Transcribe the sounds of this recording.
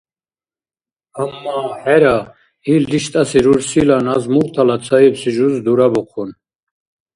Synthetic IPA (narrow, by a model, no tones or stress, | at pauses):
hamːaħɛɾa | ild̪iʃt̪ʼasiɾuɾsilanazmuʁt̪ʰalat͡sʰaipsiʒuzd̪uɾabɔqʰun